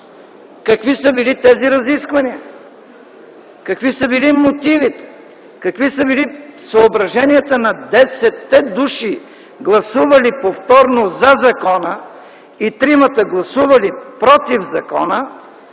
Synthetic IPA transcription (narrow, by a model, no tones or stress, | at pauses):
kɐkvisəbilit̪ɛziɾɐziskvɐniə | kɐkvisəbilimot̪ivit̪ɛ̥ | kɐkvisəbilisɐobɾɐʒɛniət̪ənɐd̪ɛsɛt̪ːɛd̪uʃi | ɡlˠɐsuvɐlipoft̪ɔɾnozɐzɐkɔnə | it̪ɾimɐt̪əɡlˠɐsuvɐlipɾot̪ivzɐkɔ̰nə